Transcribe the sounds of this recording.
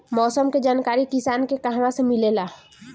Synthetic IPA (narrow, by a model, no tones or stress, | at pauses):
mɔːsəmked͡ʒaːnkaːɾikisankekəɦʋãsə̃milela